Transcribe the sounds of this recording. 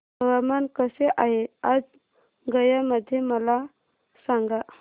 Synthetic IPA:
bəʋamankəseʔaɦead͡z | ɡəjaməd̪ʱːjeməla | saŋɡa

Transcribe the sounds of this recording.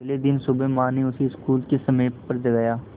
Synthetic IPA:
leːd̪ɪnsʊbeːmãːneʊsiɪskuːlkesəmẽːpəɾd͡ʒ̪əɡaːjaː

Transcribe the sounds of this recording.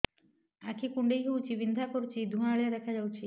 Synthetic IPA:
akʰikuɳɖejɦewt͡ɕʰibind̪ʱakoɾt͡ɕʰid̪ʱuɦaɭed̪ɛkʰad͡ʑawt͡ɕʰi

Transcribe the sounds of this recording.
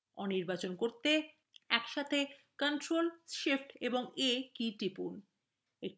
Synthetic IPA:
ɔniɾbat͡ɕonkoɾt̪e | ɛkʃat̪ʰe | kanʈɾolʃifʈeboŋekiʈɾipun | ek

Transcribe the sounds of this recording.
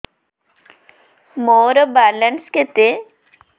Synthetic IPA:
moːɾəbalənsket̪e

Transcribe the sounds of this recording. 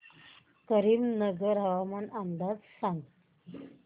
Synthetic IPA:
kəɾiːmnəɡəɾɦəʋamanand̪ad͡zsãŋɡ

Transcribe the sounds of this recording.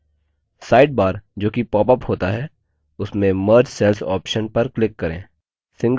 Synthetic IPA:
saːɪɖ̚baːɾd͡ʒoːkipɔːpəphoːt̪aɦɛ | ʊsmẽməɾd͡ʒsɛːlsɔ̰ːpʃənpɐɾklɪkːɐɾḛ̃ː | sɪ̃ŋɡ

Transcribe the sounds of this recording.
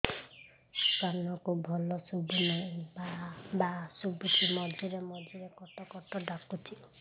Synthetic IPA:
kanɔkubʱɔlɔsubunaĩbabasubukʰimɔd͡ʒiɾemɔd͡ʒiɾekɔʈɔkɔʈɔɖakutʰi

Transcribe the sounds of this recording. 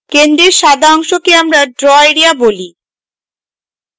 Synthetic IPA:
kend̪ɾeɾʃad̪ʱaɔŋʃokeamɾaɖɾɔeɾiaboli

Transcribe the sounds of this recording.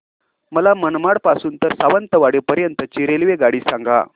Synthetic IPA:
məlamənmaɽpasuːnt̪əɾsaʋənt̪əʋaɽepəɾjənt̪ət͡ɕiɾelʋeɡaɽiːsaŋɡa̰

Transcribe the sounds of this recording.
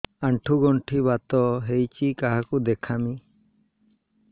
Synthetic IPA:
aɳʈʰuɡɔɳʈʰibat̪ɔɦejt͡ʃikaɦakud̪ɛkʰami

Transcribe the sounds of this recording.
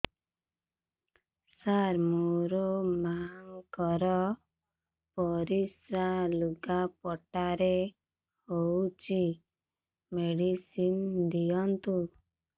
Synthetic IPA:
saɾmoɾɔmaŋkɔɾɔ | pɔɾisɾaluɡapɔʈaɾe | howt͡ʃi | meɽisind̪iɔnt̪u

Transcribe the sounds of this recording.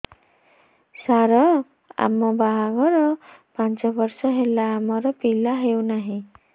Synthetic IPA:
saɾɔ | a̰mɔbaɦaɡɔɾɔpant͡ʃɔbɔɾsɔɦelaːmɔɾɔpilaɦewnaɦĩ

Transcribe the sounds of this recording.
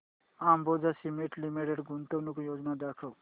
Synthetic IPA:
aːmbod͡ʒasimiʈlimiʈeɖɡʱunt̪onukojod͡ʒnad̪akʰəw

